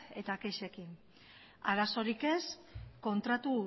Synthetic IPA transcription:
e̞t̪akeʃe̞kin | aɾaso̞ɾike̞sko̞nt̪ɾat̪u

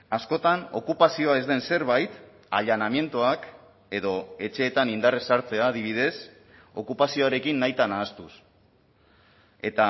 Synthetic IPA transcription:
asko̞t̪ano̞̰kupasio̞ae̞zd̪e̞nse̞ɾβajt̪ | a̰ʎanamje̞nt̪uak | e̞ðo̞e̞t͡ʃe̞ːt̪anind̪aresaɾt͡se̞aːðiβ̞ið̞e̞s | o̞kupasio̞aɾe̞kinːajt̪anaːst̪us | e̞t̪a

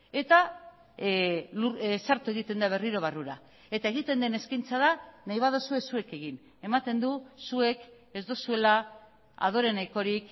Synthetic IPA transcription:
e̞t̪a | lusaɾt̪ue̞ɣit̪e̞nd̪aβ̞e̞riɾo̞βaruɾa | et̪ae̞ɣit̪e̞nd̪e̞ne̞skajnt͡saðanajβ̞að̞osue̞sue̞ke̞ɣin | e̞mat̪e̞nd̪usue̞k | e̞zd̪o̞sue̞la | a̰ð̞o̞ɾe̞najko̞ɾik

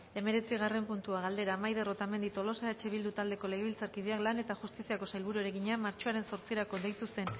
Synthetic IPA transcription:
e̞me̞ɾe̞t͡siɣ̞are̞mpunt̪uaɣald̪e̞ɾaːmajðe̞ro̞t̪ame̞nd̪it̪o̞lo̞seet͡ʃe̞βild̪ut̪ald̪e̞ko̞le̞ɣeβilt͡saɾkið̞eaklane̞t̪aʝust̪isiako̞sajlβuɾueɾe̞ɣiɲamːaɾt͡ʃoaɾe̞nso̞ɾt͡sieɾako̞d̪ejt̪use̞n

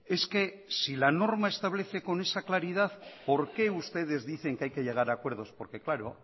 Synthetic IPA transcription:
e̞ske̞ | silano̞ɾmaest̪aβ̞leθe̞ko̞ne̞saklaɾiðaθpo̞ɾke̞ust̪e̞ð̞e̞zðiθe̞ŋkeajke̞ʎe̞ɣ̞aɾakwe̞ɾð̞o̞spo̞ɾke̞klaɾo̰

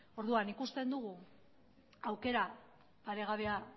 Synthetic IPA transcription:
o̞ɾðuanikust̪e̞nd̪uɣu | awke̞ɾa | paɾe̞ɣaβ̞e̞a

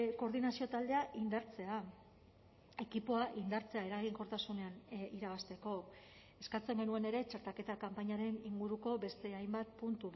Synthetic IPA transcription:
ko̞ɾðinasio̞t̪ald̪e̞aʔind̪aɾt͡se̞a | e̞kipo̞aʔind̪aɾt͡se̞ae̞ɾaɣiŋko̞ɾt̪asune̞aniɾaβ̞ast̪e̞ko̞ | eskat͡se̞ŋɡe̞nue̞ne̞ɾe̞t͡ʃaɾt̪ake̞t̪akampaɲaɾe̞niŋɡuɾuko̞be̞st̪e̞ajmbat̪̚punt̪u

